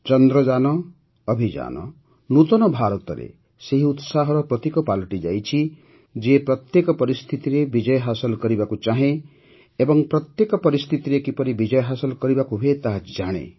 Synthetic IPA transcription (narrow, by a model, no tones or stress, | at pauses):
t͡ʃɔnd̪ɾɔd͡ʒanɔː | bʱid͡ʒa̰nɔ̰ | nut̪ɔnɔbʱaɾɔt̪ɔɾḛ | seɦiut̪saɦɔɾɔpɾɔt̪ikɔpalɔʈid͡ʒajt͡ʃʰi | d͡ʒepɾɔt̪jekɔpɔɾist̪ʰit̪iɾebid͡ʒɔjɔɦasɔlkɔɾibakut͡ʃaɦẽ | ebɔŋpɾɔt̪jekɔpɔɾist̪ʰit̪iɾekipɔɾibid͡ʒɔjɔɦasɔlɔkɔɾibakuɦet̪aɦd͡ʒaɽ̃ḛ